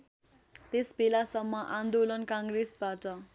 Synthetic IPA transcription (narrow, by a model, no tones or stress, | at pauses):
t̪esbelasʌmːʌʔãnd̪olʌnkaŋɡresbaʈʌ